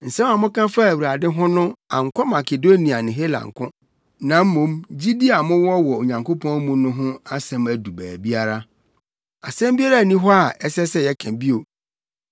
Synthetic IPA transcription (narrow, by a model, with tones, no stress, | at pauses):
n̩˨sɛ̃˦ma˨mʊ̃˦kã˦fa˦˨wu˨ɾa˨dɪ̃˦ɦʊ̃˦nʊ̃˦a̰˨ŋ̩˨kʷʰɔ˦ma˨kʰe˨do˦ni˨a˨nɪ̃˨ɦe˦lã̰˨ŋ˨kʰʊ̃˦ | nã˨m̩˦mʊ̃˨˦md͡ʑi˦di˦a˨mʊ̃˦wɔ˦wɔ˨o˨ɲã˨ŋko˦pʰɔ̃˦n˦mũ˦nʊ̃˦ɦʊ̃˦a˦sɛ̃˨mæ˨du˨bæː˨bi˦a˦ɾa˦ | a˨sɛ̃˦mbi˦a˦ɾa˦˨nĩ˦ɦɔ˦a˨ʔɛ˦sɛ˦sɛ˦jɛ˦kʰɛ̃˨bi˦o˨